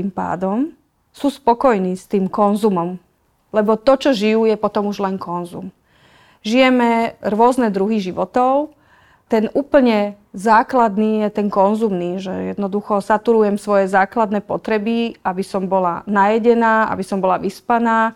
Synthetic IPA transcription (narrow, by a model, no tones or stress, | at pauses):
impa̰ːd̪ɔm | suːspɔkɔjniːst̪iːmkɔnzumɔm | lɛbɔt̪ɔt͡ʃɔʒijuːjɛpɔt̪ɔmuʒlɛnkʰɔnzṵm | ʒijɛmɛɾʊɔznɛd̪ɾuɦiʒiʋɔt̪ɔʊ | t̪ɛnuːpl̩ɲɛ | zaːklad̪niːjɛt̪ɛnkɔnzumniːʒɛ̰jɛ̰d̪nɔd̪uxɔsat̪uɾujɛmsʋɔjɛzaːklad̪nɛːpɔt̪ɾɛbiabisɔmbɔla̰najɛɟɛnaːa̰bisɔmbɔlaʋispanaː